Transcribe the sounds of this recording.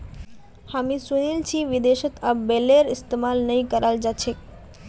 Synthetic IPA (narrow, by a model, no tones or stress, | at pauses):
hamisunilt͡ʃʰiʋid̪eʃət̪abeleɾɪst̪emalnəj̃kəɾald͡ʒat͡ʃʰek